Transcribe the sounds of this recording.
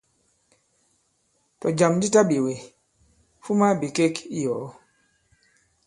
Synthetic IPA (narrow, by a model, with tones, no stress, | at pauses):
tɔ˨d͡ʒa˨mdi˦ta˦bi˨we˨ | fu˦ma˦bi˨ke˦ki˦jɔ˨˦